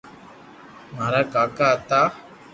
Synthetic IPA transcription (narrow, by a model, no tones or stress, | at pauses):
maɾakakat̪a